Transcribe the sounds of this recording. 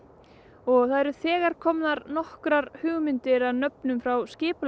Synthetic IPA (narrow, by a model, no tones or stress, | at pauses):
ɔɣθaðɛɾʏθɛːɣaɾ̥kʰɔmnaɾnɔhkɾaɾhʏːɣmɪnt̪ɪɾaðnœpnʏmfɾawscɪːpl